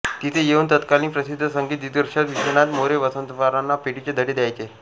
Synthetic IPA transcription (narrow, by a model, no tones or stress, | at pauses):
t̪it̪ʰejeunt̪ət̪kaliːpɾəsid̪ʱːəsəŋɡiːt̪ːid̪əɾɕat̪ʋiɕəɳ̃at̪moɾeʋəsənt̪əfaɾãnːapeʈit͡ɕed̪ʱəʈed̪jajt͡ɕe